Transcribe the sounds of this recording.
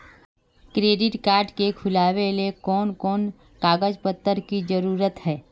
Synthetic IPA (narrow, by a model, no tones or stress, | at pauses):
kɾeːɖɪʈkaːɾʈkekʰʊlaːwelekɔːnkɔːn | kaːɡəd͡ʒpət̪ːəɾkid͡ʒəɾuːɾət̪ɦɛː